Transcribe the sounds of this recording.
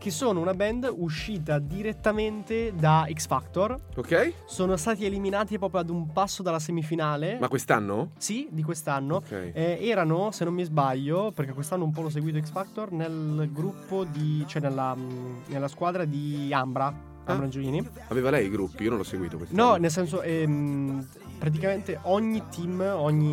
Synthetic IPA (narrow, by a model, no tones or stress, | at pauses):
k̟esːoːnounabɛnd̪uʃːiːt̪ad̪iɾet̪ːament̪ed̪aiksfakt̪orokɛjsoːnost̪aːt̪ieliminaːt̪ipɾɔːpɾjoad̪umpasːod̪alːas̬emifinaːlemakːwest̪a̰nːosid̪ik̬west̪anːokɛ̰jɛɛːɾanosenːomːizbaʎːoperk̟ekːwest̪anːoump̬ɔlɔs̬eɡwiːt̪oɛksfakt̪ornelɡɾupːod̪it͡ʃoɛnːelːanelːaskwaːd̪ɾad̪iambɾa | ambɾand͡ʒoliːni | aveːvalɛjɡɾupːiionõnlɔsːeɡwḭːt̪o̰kwesnɔnels̬ɛns̬oʔɛm | pɾat̪̬ikament̪eʔɔɲːit̪ʰimɔɲːi